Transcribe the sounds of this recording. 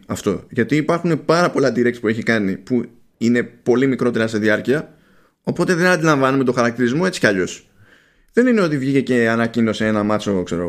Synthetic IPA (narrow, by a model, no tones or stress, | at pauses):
ɐft̪o̞̰ʝɐt̪iːpɐɾxune̞pɐɾɐpo̞lɐd̪iɾekspue̞çikɐnipu | ine̞po̞limikɾo̞t̪e̞ɾɐst̪eðiɐɾciɐ | o̞po̞t̪e̞ðe̞nɐnd̪ilɐɱvɐnume̞t̪o̞xɐɾɐk̚t̪iɾizmo̞e̞t͡si̥cɐʎo̞s | ðe̞nine̞o̞t̪ivʝice̞ce̞ɐnɐcino̞seenɐmɐt͡so̞kse̞ɾo